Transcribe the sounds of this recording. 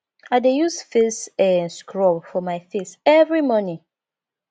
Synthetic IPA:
aɪdejusfesɛ̃nskɹɔbfɔmaɪfisɛvɹimɔnĩ

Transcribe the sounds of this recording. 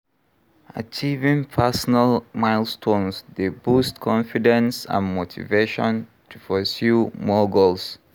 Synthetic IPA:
ʔa̰t͡ʃivĩŋpʰɛsɔnalmaɪlstʰõnsdebustkʰɔ̃nfidɛ̃nsã̰nmotʰḭveʃɔ̰̃n | tʰufɔsjumɔɡols

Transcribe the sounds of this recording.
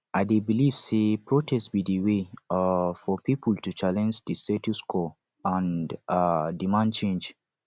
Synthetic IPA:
ʔadebiliv̥sepɹotʰɛstbidiwe | fɔpipʰultut͡ʃalɛ̃nd͡ʒdistetuskʰɔ | ãndadimãnd̚t͡ʃẽnd͡ʒ

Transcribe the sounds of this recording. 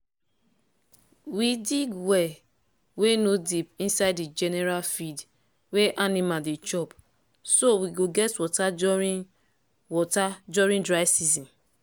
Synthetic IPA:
widiɡwɛ | wenodipĩnsaɪdid͡ʒɛnɛɹalfid | weʔanimadit͡ʃɔp | sowiɡoɡɛtwɔtai | wɔtadɔɹĩndɹaɪsizɔ̃n

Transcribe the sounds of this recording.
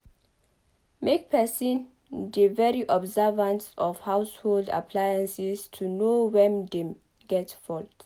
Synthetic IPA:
mek̚pʰɛsĩn | devɛɹiʔɔbzɛvãnsɔfhawsholda̰pʰlajãnsistʰunowɛ̃nde | ɡɛtfɔlt

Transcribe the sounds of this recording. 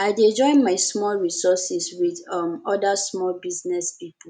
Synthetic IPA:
aɪded͡ʒɔ̃ɪ̃nmaɪsmɔlɹisɔsiswiðʌmɔdasmɔlbiznɛspip̩

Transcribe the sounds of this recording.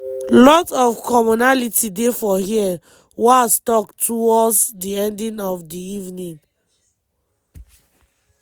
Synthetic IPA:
lɔtɔfkɔmɔnalitʰidefɔhiɛ | wastɔktuɔsdiɛ̃ndĩnɔfdiivnĩn

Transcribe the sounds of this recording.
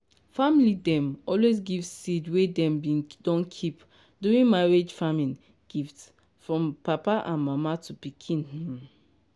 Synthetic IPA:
familidɛ̃mɔlwezɡivsidwedɛ̃mbĩndɔ̃nkʰip | duɹĩnmaɹed͡ʒfamĩn | ɡ̥ift | fɹɔ̃mpapaʔãnmamatupikʰĩnhɛ̃m

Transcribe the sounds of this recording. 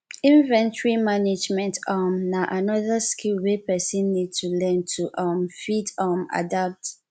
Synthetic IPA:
ĩnvɛ̃ntɹimaned͡ʒmɛ̃ntɔmnaʔanɔðəskʰilwepɛsɛ̃nːid̚tʰulɛ̃ntʰuʔɔmfidɔma̰dap̚t

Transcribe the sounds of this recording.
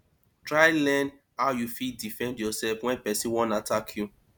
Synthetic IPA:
tɹaɪlɛ̃n | haʊjufidifɛ̃ndjɔsɛlfwɛ̃npɛsĩwɔ̃natakʰju

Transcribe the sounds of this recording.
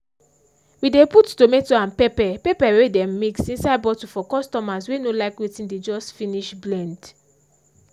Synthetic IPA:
wideputtometoãnpepɛpepawedɛ̃mmiksĩnsabɔtufɔkɔstɔmaswenolaɪkwetĩnded͡ʒɔstfĩniʃblɛ̃nd

